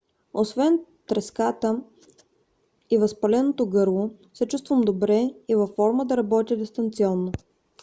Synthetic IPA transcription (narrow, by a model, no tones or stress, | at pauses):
osvɛnt̪ɾɛskat̪ə | ivɐspɐlɛnot̪oɡɤɾlˠo | sɛt͡ʃust̪vəmd̪obɾɛivɐfːɔɾməd̪ɐɾɐbɔt̪ʲid̪ist̪ɐnt̪siɔnːo